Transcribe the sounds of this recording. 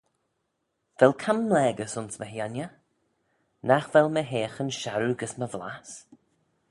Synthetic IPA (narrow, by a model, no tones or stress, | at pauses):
vɛlˠkʰamːlɛːɡəsʊnsməɦjanjə | naxvɛlməɦeːxənʃaɾuɡəsməvla̰s